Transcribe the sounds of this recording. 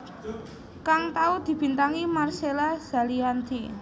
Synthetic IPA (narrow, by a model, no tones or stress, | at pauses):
kaŋt̪aud̪̥i̤b̥i̤nt̪aŋimarselaz̥a̤liant̪ʰḭ